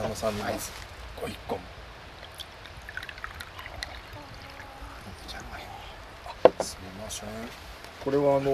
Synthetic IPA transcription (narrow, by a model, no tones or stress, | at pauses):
anosãnːaisɨ̥ | ɡ̥oikːõm | õt̪ot͡ɕana | sɨmimaɕẽ | ko̞ɾe̞βaːno